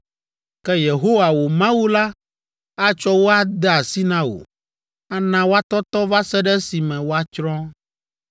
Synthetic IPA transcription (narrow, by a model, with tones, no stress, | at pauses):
kɛ˦je˨ɦo˦wa˨wo˨mã˦wu˦la˦ | a˦t͡ʃɔ˦wo˦a˦d̪ɛ˦a˨si˦nã˦o̰˨ | a˦nã˦wo˦a˦t̪ɔ˦t̪ɔ˦va˦sɛ˦ɖɛ˦si˨mɛ̃˨wo˦a˦t͡ʃɾɔ̃˦